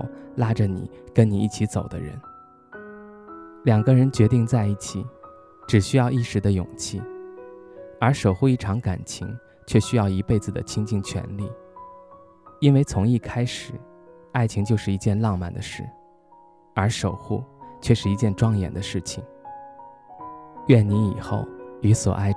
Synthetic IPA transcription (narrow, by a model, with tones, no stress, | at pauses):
la˥ʈ͡ʂə˨nḭ˨˩˦kə˥nni˨˩i˥˩t͡ɕʰi˧˥t͡so˨˩ʊd̪ə̰˦ɻə̰˧˥n | ljɑ˨˩ŋɡə˦ɻə˧˥nt͡ɕɥɛ˧˥t̪i˥˧ŋt͡sa˥˧ɪi˥˩t͡ɕʰi˨˩˦ | ʈ͡ʂɻ̩˨˩ɕy˥jɑ˥˧ʊi˥˩ʂɻ̩˧˥d̪ə˦jʊ̰˨˩ŋt͡ɕʰi˥˩ | ə˞˧˥ʂo˨˩ʊxu˥˧i˥˩ʈ͡ʂʰɑ˧˥ŋka˨˩nt͡ɕʰi˧˥ŋ | t͡ɕʰɥɛ˥˩ɕy˥jɑ˥˩ʊi˧˥pe˥˩ɪd͡zɹ̩˨˩d̪ə̰˩t͡ɕʰi˥ŋt͡ɕi˥˩ŋt͡ɕʰɥɛ̰˧˥nli˥˩ | i˥nwe˥˧ɪt͡sʰʊ˧˥ŋi˥˩kʰa˥ɪʂɻ̩˨˩˦ | a˥˩ɪt͡ɕʰi˧˥ŋt͡ɕjo˥˧ʊʂɻ̩˥˩i˧˥t͡ɕjɛ˥˧nlɑ˥˧ŋma̰˥˩nd̪ə˦ʂɻ̩̰˥˩ | ə˞˧˥ʂo˨˩ʊxṵ˥˩t͡ɕʰɥɛ˥˧ʂɻ̩˥˩i˧˥t͡ɕjɛ˥˧nʈ͡ʂwɑ˥ŋjɛ̰˨˩nd̪ə˦ʂɻ̩˥˩t͡ɕʰi˨˩ŋ | ɥɛ˥˩nni˧˥i˨˩xo̰˥˩ʊli˧˥swɔ̰˨˩ʔa˥˩ɪ